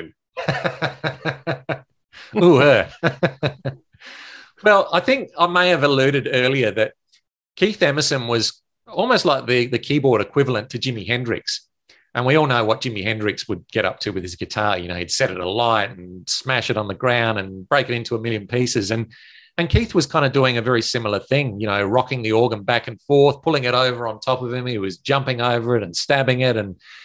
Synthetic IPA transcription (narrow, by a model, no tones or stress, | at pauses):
uhɜ | wɛlˠaɪθɪ̃ŋkaɪmeɪɨvəlʉɾɨɾɜ˞lˠiə˞ðɨt̚ | kʰiθɛməsɨ̃nwʌz̥ | ɔlˠmoʊstˡlaɪk̚ðɨðɨkʰibɔɹɾɨkʰw̥ɪvl̩ˠə̃ntʰɨd͡ʒɪ̃mihɛ̃ndɹɪ̰ks | ʔɨ̃nwiɔlˠnoʊwʌt̚d̥ʒ̥ɪ̃miɦɛ̃ndɹɨkswɨd̚ɡ̥ɛɾʌ̰p̚tʰɨwɨð̥ɨzɡɨtʰɑɹjɨ̰noʊid̥sɛɾɨɾə̰laɪɾn̩smæʃɨɾn̩ðɨɡɹãʊ̃ndɨ̃nb̥ɹeɪkɨɾɪ̃ntʰuəmɪlˠjɨ̃npʰisɨzɨ̃n | ɨ̃nkʰiθwʌz̥kʰãɪ̃ndɨduɪ̃ŋɨvɛɹisɪ̃ml̩ˠə˞θɪ̃ŋjɨñoʊɹɑkɪ̃ŋðiɔɹɡə̃nbækɨ̃n̩fɔɹθpʰʊlˠɪ̃ŋɨɾoʊvə˞ə̃ntʰɑpʌv̥ɨ̃miwʌzd͡ʒʌ̃mpɪ̃ŋoʊvə˞ɨɾɨ̃n̩stæbɪ̃ŋɪɾɨ̃n